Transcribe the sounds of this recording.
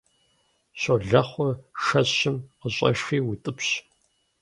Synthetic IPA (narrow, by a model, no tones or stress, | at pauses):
ɕoɮɐχʷɔʂɐɕɕɪmqəɕʼɐ̰ʃxiːwitʼɨpɕ